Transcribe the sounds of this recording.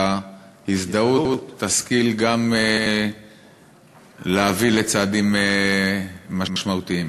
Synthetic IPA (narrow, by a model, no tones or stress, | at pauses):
ahisd̪auut̪ːaskilɡame | leavile̞t͡saːd̪imeː | aʃmaut̪iim